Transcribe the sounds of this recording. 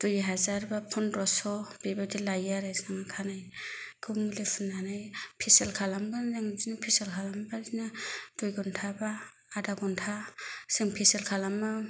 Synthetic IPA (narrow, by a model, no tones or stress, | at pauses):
d̥ujɦazaɾbapʰɔnɾɔsɔb̥ebadilajaɾajsaŋakʰanajɡuŋlepʰunanajpʰisɛlkʰalamɡanzaŋzinapʰiselkʰalambazinad̥ujɡɔntʰabaː | daɡɔntʰasɯŋpʰiselkʰalama